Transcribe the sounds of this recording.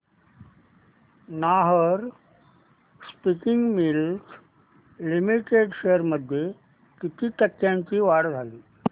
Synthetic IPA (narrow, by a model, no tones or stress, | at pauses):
naɦəɾ | spikɪŋɡmils | limiʈeɖɕeəɾməd̪ʱje | kit̪ʰiːt̪əkːjãɲt͡ɕiːʋaɽd͡zʱaliː